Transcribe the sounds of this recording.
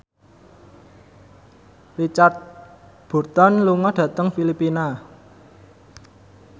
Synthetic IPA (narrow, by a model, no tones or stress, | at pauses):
rit͡ʃart̪̚ | b̥ṳrt̪ɔnluŋɔɖ̥ä̤t̪əŋfilipina